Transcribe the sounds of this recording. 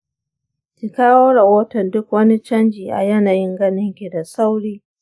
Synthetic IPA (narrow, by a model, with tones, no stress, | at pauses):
ki˨kaː˦woː˦ɾɐ˨hoː˦tɐ˨ndʊ˦kwɐ˦ni˦t͡ʃɐ˦nd͡ʒiː˨ʔa̰˨jɐ˦naː˨jɪ˦ŋɡɐ˦nɪ˦ŋkʲi˨da˨sa˦wɽiː˦